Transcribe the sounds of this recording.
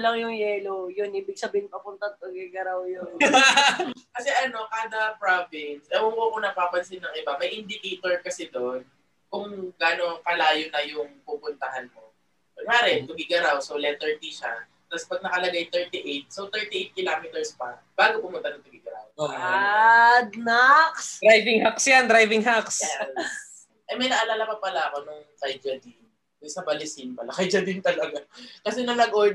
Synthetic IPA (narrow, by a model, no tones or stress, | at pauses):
lɐŋjʊŋjɛːlojʊnʔiːbɪɡ̚sɐbiːhɪŋpɐpʊnt̪ɐŋt̪ʊɡɪɡɐɾawjon | kɐsɛʔɐno̞kaːd̪ɐpɹovɪnsɐʔookonɐpaːpɐnsɪnːɐŋʔɪbamɐjʔɪnd̪ɪkejt̪oɹkɐsɛd̪oʔn | kʊŋɡano̞pɐlaːjonɐjʊŋpʊmpʊnt̪ɐhanmo | mɐɡʔaːɾɛt̪ʊɡɪɡɐɾawsolɛt̪ɛɹt̪iʃa̰ | t̪ɐspɐɡ̚nɐkɐlɐɡajt̪ɛɹt̪iʔejt̪̚sowt̪ɛɹt̪iʔejt̪̚kɪlaːmɛt̪ɛɹspɐ | b̥aːɡopʊmʊnt̪ɐnʊŋt̪ʊɡɪɡɐɾa̰wo | d̪naksd̪ɾajvɪŋhaksjand̪ɾajvɪŋɦaksɛ | ʔɐjmɐjnɐʔɐlalapɐpɐlaʔɐko̞nʊŋkajd͡ʒɐd̪ɪn | ɛsɐbɐlɪsinmɐlɐkajd͡ʒɐd̪ɪnt̪ɐlɐɡakɐsɛnɐŋnɐɡʔoɹd̪